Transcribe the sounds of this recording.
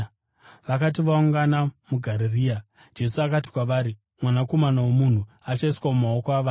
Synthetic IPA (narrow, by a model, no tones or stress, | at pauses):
ʋakat̬iʋauŋɡanamuɡʱaɾeriːa | d͡ʒe̞suakat̬i̥kwaʋaːɾi | mwanako̞manawo̞mun̤u | at͡ʃaiswamumao̞koaʋaː